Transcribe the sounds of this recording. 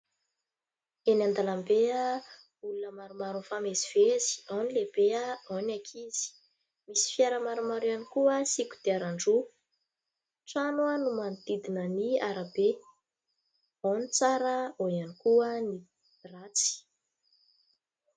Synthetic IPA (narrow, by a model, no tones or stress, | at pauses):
enand̪alambea | ulunəmaɾumaɾufameziv̥ezi̥anilebeaawnakʰiz̥i̥ | misi̥fjaɾəmaɾumaɾuanikuəsikʲu̥d̪̥eaɾaɳɖ͡ʐu | ʈ͡ʂanwənumand̪id̪inəniaɾabe | anit͡saɾəojanikuəni | rat͡si̥